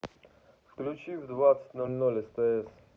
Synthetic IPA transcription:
fklʲut͡ɕivd̪vat̪sə̥t̪ʲnɔlʲnɔlʲɛst̪ɛɛs

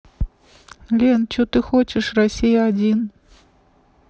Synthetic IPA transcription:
lʲent͡ɕut̪ɨxɔt͡ɕɪʂrasʲijɐad͡zʲin

